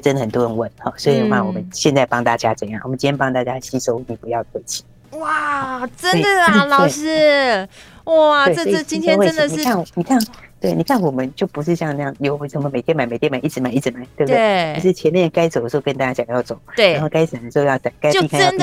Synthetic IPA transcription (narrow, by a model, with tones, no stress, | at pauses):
ʈ͡ʂə˥nd̪ə˨˩xə˨˩nt̪wɔ˥ɻə˧˦nwə˥˩nxɔ˥˩swɔ˧˥i˨˩d̪ə˨˩˦xa˥˩wɔ˨˩mə˦nɕjɛ˥˧nt͡sa˥˩ɪpɑ˥ŋt̪a˥˩t͡ɕja˥ʈ͡ʂɤ˥˧jɑ˥˩ŋwmə˦nt͡ɕi˥t̪ʰjɛ˥pɑ˥ŋt̪a˥˩t͡ɕja˥ɕi˥so˥ʊni˨˩pu˧˦jɑ˥˩d̪we˥˩ɪt͡ɕʰi̥˨˩ | wa˥˩ʈ͡ʂə˥n˥d̪ə˨lɑ˨˩ʊe˥˩ʂɻ̩˥ | wɔ˥˩˨wsi˥˩t͡ɕi˥t̪ʰɛ˥we˥˩˧ə˧ni˥˨kʰa˥˩n˨˩ni˨˩kʰa˥˩nt̪we˥˩ɪni˨˩kʰa˥˩nwɔ˨˩mə˦nt͡ɕjo˥˩ʊpu˧˥ʂ̬ɻ̩˥˧ɕjɑ˥˧ŋna˧jɑ˥˩ŋjo˨˩ʊ˧sʰə˧˥mə˧me˨˩t̪ʰjɛ˥nma˨˩ɪme˨˩ɪjɛ˥ma˨˩˦i˥˩ʈ͡ʂɻ̩˧˥ma˨˦i˥˩ʂɻ̩˧˩ma˨˩˦ɪt̪we˥˩b̚d̪e˥˩t͡ɕʂɻ̩˥˩t͡ɕʰjɛ˧˥nmjɛ˥˩nka˥ɪt͡so˨ʊd̪ə˩ʂ̩˥˧˥o˥˧kə˥nt̪a˥˩t͡ɕja˥ɕjɑ˨˩ŋjɑ˥˩ʊt͡so˨˩˦ʊe˥˩a˧˦nxo˥˩ʊka˥ɪs̩˨˩a˨˩d̪ə˩ʂ̩˧˥˧jɑ˥˧˩sa˨˩ka˥ɪ˥˧i˥˧ka˥jn